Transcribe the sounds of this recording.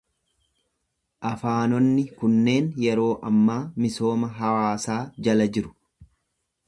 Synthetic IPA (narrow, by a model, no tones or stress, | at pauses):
ʔɐfaːnɔnːɪkʊnːe̞ːnjɛɾo̞ːʔɐmːaːmɪso̞ːmɐɦɐwaːsaːd͡ʒɐlɐd͡ʒɪɾʊ̥